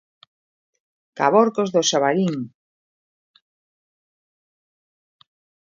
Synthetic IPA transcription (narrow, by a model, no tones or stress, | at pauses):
ka̰βoɾkozðoʃaβaɾiŋ